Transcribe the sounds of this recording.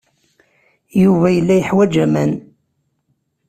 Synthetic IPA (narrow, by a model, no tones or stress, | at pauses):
juvæjəlːæjəħwæd͡ʒæmæn